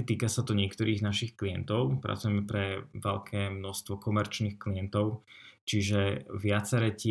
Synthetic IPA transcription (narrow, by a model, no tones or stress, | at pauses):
t̪iːkasat̪ɔɲɪɛkt̪ɔɾiːɣnaʃixklijɛnt̪ɔʊpɾa̰t͡sujɛmɛpɾɛʋɛlkʰɛːmnɔst̪ʋɔkɔmɛɾt͡ʃniːxkliɛnt̪ɔʊt͡ʃiʒɛʋɪat͡sɛɾɛcɪ